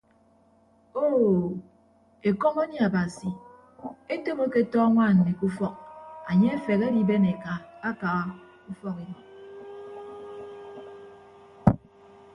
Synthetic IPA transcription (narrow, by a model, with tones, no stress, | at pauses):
o˦ | e˨kɔ˦ŋo˦ɲe˨a˨ba˨si˨ | e˦to˦mo˦ke˦tɔ˦ŋʷa˦˨n̩˨mi˨ku˦fɔ˦k̚a˨ɲe˦e˦fe˨ɣe˦di˦be˦ne˨ka˨a˦ka˨ɣa˦ | u˦fɔ˦ke˨nɔ˨